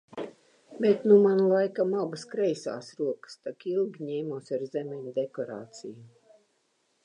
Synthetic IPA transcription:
bet̪numanlˠajkamabaskɾɛjsa̰ːsɾuɔkə̥st̪akilˠɡʲiɲɛːmuɔsʲaɾzɛmɛɲʲud̪ekɔɾa̰ːt̪siju

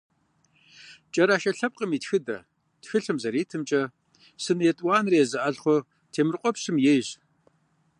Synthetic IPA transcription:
t͡ʃʼɐɾaʃɐɬɐp̚qʼəmiːtxɨdɐ̰ | txɨɬɨmzɐɾeːtʰɨmt͡ʃʼɐ | sɨnjɛtʼwɑːnrijɛzɨʔɐɮχʷɔ | tʰeːmɨrqʷɔpɕɨmjɛjɕ

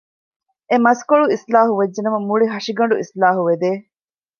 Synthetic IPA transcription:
emɐskoɭuislaːɦuʋɐd͡ʒːenɐmɐmuɭiɦɐʂiɡɐɳ̆ɖuislaːɦuʋed̪eː

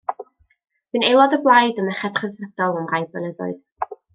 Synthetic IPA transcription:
vɨnelˠɔdəblˠajdəmɛχɛd̥χəðvrəd̥ɔlˠəmrajbənəðʊ̰ɨð

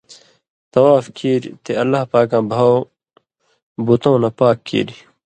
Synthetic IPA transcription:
t̪ɐwaːfkʰiːɾḭt̪eɐlːaːhpaːkãːbʱaːw | but̪õːnɐpaːkʰːḭːɾi

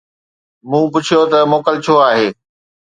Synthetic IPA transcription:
mũːp̬ʊt͡ɕʰijot̪ɐmoːkəlt͡ɕʰoaːɦeː

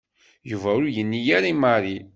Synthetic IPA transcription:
juvæʊɾujənːijaɾimaɾˤi

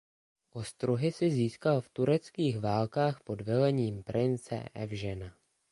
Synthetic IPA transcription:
ʔo̞st̪ɾuɦɪsɪziːskalft̪uɾɛt͡skiːxvaːlkaːxpo̞dvɛlɛɲiːmpɾʔɪnt͡sɛ̰ʔɛ̰vʒɛna

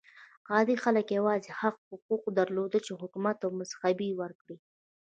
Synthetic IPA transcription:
qɑd̪ixaləkjawɑzehaɣhʊquq̚d̪aɾlod̪ət͡ʃeɦʊkumat̪awmʊsxabiwəɾkɽi

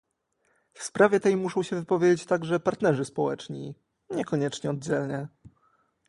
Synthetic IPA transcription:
fspɾavʲjɛt̪ɛjmuʂɔ̃w̃ɕɛvɘpɔvʲjed͡ʑet͡ɕt̪aɡʐɛpaɾt̪nɛʐɘspɔwɛt͡ʂɲḭ | ɲɛkɔɲɛt͡ʂɲɛɔd̪̚d͡ʑɛlɲɛ

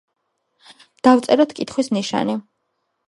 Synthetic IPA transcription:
d̪̥avt̪sʼɛɾɔt̪ʰkʼit̪ʰχwismniʃa̰ni

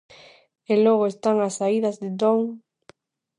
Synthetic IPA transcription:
eloɣ̞oest̪aŋasːaiðɐzðɪd̪oŋ

